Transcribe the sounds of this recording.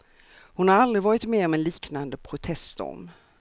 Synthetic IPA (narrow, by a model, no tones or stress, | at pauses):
hʊnhaɾald̪ɾɪvɑːɾɪt̪meːɾɔmɛnliːknand̪əpʰɾʊt̪ʰɛst̪ɔ̰m